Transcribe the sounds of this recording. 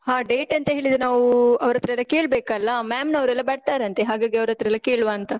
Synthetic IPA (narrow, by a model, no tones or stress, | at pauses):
ɦaːɖeːʈɐnt̪ɐɦeːɭid̪unaːʋuɐʋɾɐt̪ːɾɐɛlːɐkeːɭbeːkɐlːɐmaːmnɐʋɾɛlːɐbɐɽt̪aːɾɐnt̪eɦaːɡaːɡiɐʋɾɐt̪ɾɛlːɐkeːɭʋaːnt̪ɐ